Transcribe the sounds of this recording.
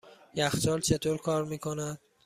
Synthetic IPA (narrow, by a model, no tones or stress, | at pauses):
jæxt͡ʃɒlt͡ʃʰet̪ʰoɾkʰɒːɾmiːkʰonæd̪̥̚